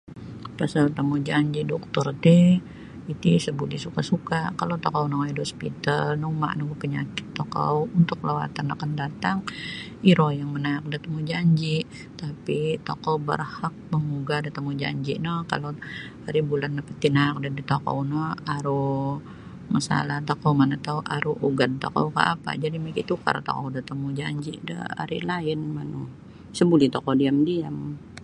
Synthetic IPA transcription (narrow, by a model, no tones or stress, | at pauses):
pasalt̪amud͡ʒaɲd͡ʒidɔk̚t̪ʊrt̪ɪ | it̪isəbulisukasukakalot̪okawnɔŋaidhospit̪a̰lnɔma̰ʔnɔɡpəɲa̰kɪ̥t̪ːoka̰wunt̪ʊk̚lawa̰t̪ana̰kandat̪aŋ | iɾojaŋmənaak̚dat̪amud͡ʒaɲd͡ʒi | t̪apit̪o̰kowbə̰rhak̚məŋuɡadat̪əmud͡ʒa̰ɲd͡ʒiʔnəka̰lo | aɾibulanːəpət̪inak̚dədit̪oko̰nɔaɾu | masa̰laht̪okomanat̪auʔaɾuuɡad̪̚t̪o̰ko̰ka̰ʔa̰pa̰d͡ʒadimikit̪uka̰ɾa̰t̪o̰kɔ̰dat̪əmud͡ʒaɲd͡ʒḭdə̰a̰ɾḭlaɪnmanu | səbulit̪okodiamdiam